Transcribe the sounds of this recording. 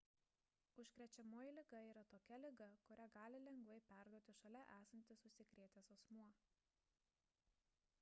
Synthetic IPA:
ʊʃʲkɾʲɛt͡ʃʲɛmoːjɪlʲɪɡɐiːɾɐt̪oːkʲɛlʲɪɡɐkʊɾʲæɡɑːlʲɪlʲɛŋɡʋɐɪpʲæˑɾd̪uɔt̪ʲɪʃɐlʲɛʔæːsɐnʲt̪ʲɪsʊsʲɪkɾʲeɛt̪ʲeːsɐsmuɔ

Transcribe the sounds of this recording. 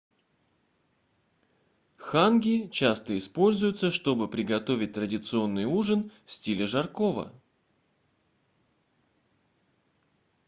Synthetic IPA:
xanɡʲɪt͡ɕast̪əɪspo̞lʲzʊjʊt̪səʂt̪o̞bɨpɾʲɪɡɐt̪o̞vʲɪt̚ʲt̪ɾədʲɪt̪sɨo̞nːɨjuʐɨnfsʲtʲilʲɪʐɐrkovə̰

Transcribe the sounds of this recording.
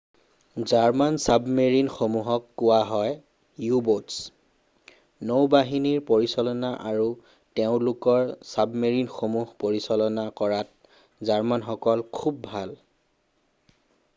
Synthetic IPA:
zaɹmansabmeɹinxomuɦɔkːʊwaɦɔj | jubots | nobaɦiniɹpoɹisɔlɔnaʔaɹu | teʊ̃lʊkɔɹsabmeɹinxomuɦpoɹisɔlɔnakɔɹat̚ | zaɹmanxɔkɔlkʰub̚ːʱal

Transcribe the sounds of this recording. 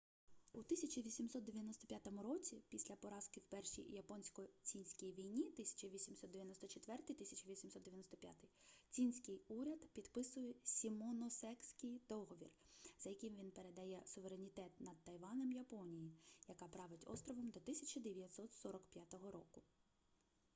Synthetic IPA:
ut̪ɪsʲɐt͡ʃiʋʲisʲimsɔt̪̚d̪eʋʲjɐnɔst̪ɔpʲjat̪ɔmʊɾɔt͡sʲipʲisʲlʲɐpɔɾɑskɪwpɛrʃḭjjɐpɔnʲsʲkɔt͡sʲinʲsʲkʲijʋʲijnʲit̪ɪsʲɐ̥t͡ʃɐʋʲisʲimsɔt̪d̪eʋjɐnɔst̪ɔt͡ʃet̪ʋɛrt̪ɪjt̪ɪsʲɐt͡ʃɐʋʲisʲimsɔt̪d̪ejɐnɔst̪ɔpʲja̰t̪ɪjt͡sʲinʲsʲkɪjuɾʲɐd̪pʲid̪̥pɪsʊjɛsʲimɔnɔsɛksʲkɪjd̪ɔɦɔʋʲḭr | z̥ɐjɐkʲimʋʲinpe̞ɾe̞d̪ɐjɛsʊʋeɾenʲit̪ɛt̪nɐd̪̚t̪ɐjʋɑnɛmjɐpɔnʲijijɐkɑpɾɑʋɪtʲɔ̰st̪ɾɔʋɔmd̪ɔt̪ɪsʲɐt͡ʃʲɐd̪eʋʲjɐt̪ʲsɔt̪sɔɾɔkpʲjat̪ɔɦɔɾɔkʊ

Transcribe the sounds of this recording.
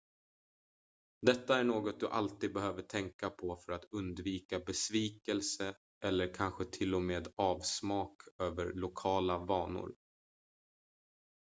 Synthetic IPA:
d̪ɛt̪ːaæɳoːɡɔt̪̚d̪ɵʔa̰lt̪iːd̪̚bɛhøːvəʈʰɛŋkapʰɔfœɾat̪ɵnd̪viːkabɛsviːkɛlsə | ʔɛlːəɾkʰanɧət̪ʰɪlːɔmeːd̪ɑːvsmɑːkøːvəɾɭʊkʰɑːlavɑːnʊ̰ɾ

